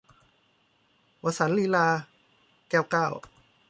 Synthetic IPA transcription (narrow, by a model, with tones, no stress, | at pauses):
wa˧˩sa˩˦nliː˧laː˧ | kɛː˧˩wkaː˥˩w